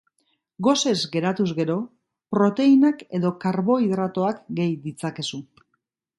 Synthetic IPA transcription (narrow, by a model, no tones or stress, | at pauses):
ɡo̞se̞zɡe̞ɾat̪uzɣe̞ɾo̞ | pɾo̞t̪e̞inake̞ðo̞kaɾβo̞iðɾat̪o̞akɡe̞jd̪it͡sake̞su